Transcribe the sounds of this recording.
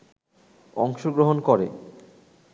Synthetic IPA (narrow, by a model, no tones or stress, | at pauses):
ɔŋʃoɡɾoɦonkoɾḛ